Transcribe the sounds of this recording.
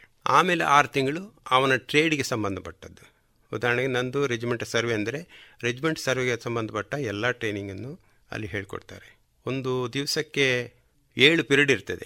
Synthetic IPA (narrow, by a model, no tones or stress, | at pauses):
aːmeːlḛʔaːɾut̪iŋɡɐɭuɐʋɐnɐʈɾe̞ːɖiɡe̞sɐmbɐnd̪ʱɐpɐʈːɐd̪ːu | ud̪aːɾɐɳɐɡenɐnd̪uɾed͡ʒimeɳʈsɐɾʋeɐnd̪ɐɾeɾed͡ʒimeɳʈsɐɾʋeɡesɐmbɐnd̪ʱɐpɐʈːɐɛlːaːʈɾe̞ːniŋɡɐnːu | ɐ̰lːiɦe̞ːɭiko̰ɽt̪aːɾe | o̞nd̪ud̪iʋɐsɐkːe̞ | eːɭupiɾɐɽiɾt̪ɐd̪e